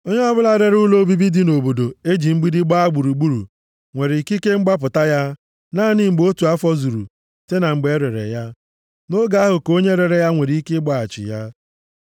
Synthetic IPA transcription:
o˦ɲe˦ɔ˦bʊ˦la˦ɾe˨ɾʊ˦lo˦bi˦bi˦di˦no˨bo˨do˨e˦d͡ʒi˨ŋ͡m̩˦ɡ͡bi˦dɪ˦ɡ͡ba˦a˦ɡ͡bu˨ɾu˨ɡ͡bu˦ɾṵ˨ | ŋʷe˨ɾi˨ki˦ke˦ŋ͡m̩˦ɡ͡ba˦p̬ʊ˨ta˦ja˦ | naː˦˨ni˦m̩˨ɡ͡bo˦tu˨a˦fɔ˦zu˨ɾṵ˨ | te˦na˨ŋ͡m̩˨ɡ͡be˨e˦ɾe˨ɾḛ˨ja˦ | no˦ɡa˨˦a˦ɦʊ˨ko˦ɲe˦ɾe˨ɾe˨ja˦ŋʷe˨ɾi˨˦kɪ˦ɡ͡ba˨a˨t͡ʃɪ̰˨ja˦

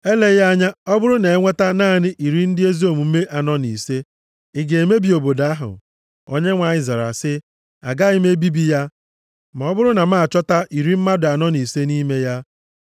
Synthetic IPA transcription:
e˦le˦ja˦ɲa˦ɔ˦bʊ˦ɾʊ˦ne˨e˦ŋʷe˦ta˦naː˦˨nɪ˦ʔi˨ɾi˦n̩˦dɪ˦e˦zi˦o˦˨mu˨m̩˦me˦ʔa˨nɔ˦nḭ˨se˦ | ɪ˨ɡe˨e˨me˦bi˨o˨bo˨da˦ɦʊ̰˨ | o˦ɲe˦ŋʷa˨ɲɪ˨za˨ɾa̰˨sɪ˦ | a̰˨ɡa˦ɪ˦me˦bi˦bi˦ja˦ | ma˨ɔ˦bʊ˦ɾʊ˦na˨ma˦a˨t͡ʃɔ˦ta˦ʔi˨ɾi˦m̩˦ma˦dʊ˨a˨nɔ˦ni˨se˦ni˦me˦ja˦

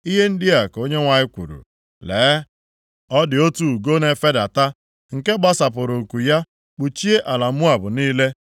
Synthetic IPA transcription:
i˦ɦe˦n̩˦dɪ˦a˨ko˦ɲe˦ŋʷa˨ɪ˦kʷṵ˨ɾṵ˨ | leː˨˦ | ɔ˦dɪ˨o˦tu˨u˨ɡo˦ne˨fe˦da˨ta˦ | ŋ̩˨ke˦ɡ͡ba˦sa˨pʊ˨ɾo˨ku˨ja˦ | k͡pu˨t͡ʃi˦e˦ʔa˨la˨m̩˦mʊ˦a˨bʊ˨niː˦le˦

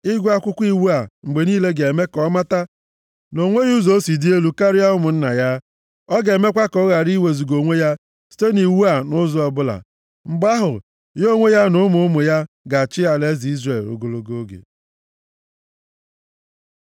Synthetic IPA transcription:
ɪ˦ɡʷa˦kʷʊ˦kʷi˦wu˦a˨ŋ͡m̩˨ɡ͡be˨niː˦le˦ɡe˨me˦kɔ˦ma˦ta˦ | no˨ŋʷe˦ɣu˦zo˦si˨di˦e˦lu˦ka˦ɾɪ˦ja˦ʊ˦mʊ˨n̩˦na̰˨ja˦ | ɔ˦ɡe˨me˦kʷa˦kɔ˦ɣa˨ɾi˦we˨zu˨ɡo˨ŋʷe˦ja˦ | si̥˨te˦ni˨wu˦a˨nʊ˦zɔ˦ɔ˨bʊ˦la̰˨ | ŋ͡m̩˨ɡ͡ba˦ɦʊ˨ | jo˦ŋʷe˦ja˦nʊ˦mʊ˦mʊ˨ja˦ | ɡa˨t͡ʃɪ˦a˨le˦zi˨i˦zre˦˨lʊ̰˨ɡo˨lo˦ɡo˦ɡḛ˨

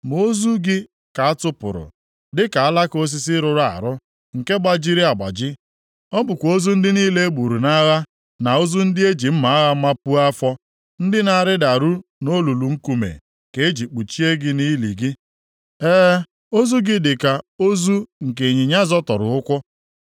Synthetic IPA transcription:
m˨o˦zu˦ɡɪ˦ | ka˨a˦tʊ˦pʊ̰˨ɾʊ̰˨ | dɪ˦ka˨a˦la˦ko˦s̬i˦s̬ɪ˦ɾʊ˨ɾa̰˨ɾʊ˦ | ŋ̩˨ke˦ɡ͡ba˦d͡ʒi˦ɾi˦a˨ɡ͡ba̰˨d͡ʒɪ˦ | ɔ˦bʊ˨kʷo˦zu˦n̩˦dɪ˦niː˦le˦e˦ɡ͡bu˨ɾu˨na˦ɣa˦ | na˨o˦zu˦n̩˦dɪ˦e˦d͡ʒi˨m̩˦ma˨a˦ɣa˦ma˦pu˦a˦fɔ˦ | n̩˦dɪ˦na˨ɾɪ˦da˨ɾu˦no˦lu˨lu˨ŋ̩˦ku˨mḛ˨ | ke˨e˦d͡ʒi˨k͡pu˨t͡ʃi˦e˦ɡɪ˦ni˦li˨ɡɪ˦ | eː˦ | o˦zu˦ɡɪ˦dɪ˨ka˨o˦zu˦ŋ̩˨k̬e˨ɲi˨ɲa˦zɔ˦tɔ˨ɾʊ̰˨ʊ˦kʷʊ˦

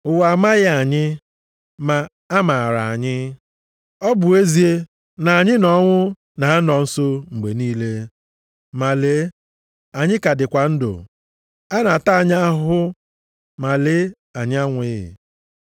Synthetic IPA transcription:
ʊ˨wa˨ma˦ɣɪ˦a˨ɲɪ˦ | ma˨ | a˦ma˨ɾa˨a̰˨ɲɪ˦ | ɔ˦bʊ˨e˦zi˨e˦ | na˨a˨ɲɪ˦nɔ˦ŋʷʊ˦ | na˨˦nɔ˨n̩˦so˦ŋ͡m̩˨ɡ͡be˨niː˦le˦ | ma˨le˨˦ | a˨ɲɪ˦ka˨dɪ˨kʷa˨n̩˦dʊ̰˨ | a˦na˨ta˦a˨ɲ˦a˦ɦʊ˦ | ma˨le˨˦ | a˨ɲɪ˦a˦ŋʷʊ˨˦ɪ˦ɦɪ̰˨

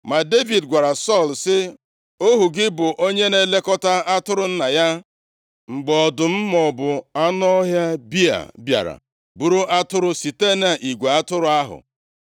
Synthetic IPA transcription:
ma˨de˦vi˨dɡʷa˨ɾa˨sɔ˦˨lsɪ˦ | o˦ɦu˨ɡɪ˦bʊ˨ʔo˦ɲe˦ne˦le˦kɔ˦ta˦a˦tʊ˦ɾʊ˨n̩˦na˨ja˦ | ŋ͡m̩˨ɡ͡bɔɔ˨dʊ˨m̩˦mɔ˨bʊ˨a˦nɔ˦ɦja˦bi˦a̰˨bja̰˨ɾa̰˨ | bu˦ɾu˦a˦tʊ˦ɾʊ˦si˨te˦na˨ʔi˨ɡʷe˨a˦tʊ˦ɾʊ˦a˦ɦʊ̰˨

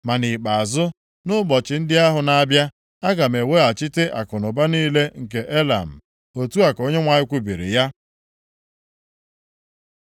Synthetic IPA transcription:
ma˨ni˨k͡pa˨a˨zʊ˦ | nʊ˦bɔ˨t͡ʃɪ˨n̩˦dɪ˦a˦ɦʊ˨na˦bja˦ | a˦ɡa˨m̩˨e˨we˦a˨t͡ʃɪ˦te˦ʔa̰˨kʊ˨nʊ˨ba˦niː˦le˦ŋ̩˨ke˨ʔe˦la̰˨m̩˨ | o˨tu˦a˨ko˦ɲe˦ŋʷa˨ɲɪ˦kʷu˦bi˨ɾḭ˨ja˦

